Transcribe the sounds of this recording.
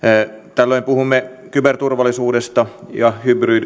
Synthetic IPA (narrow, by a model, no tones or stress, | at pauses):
t̪ælːoimpuhumːe | kybert̪urʋɑlːisuːdest̪ɑjɑhybryd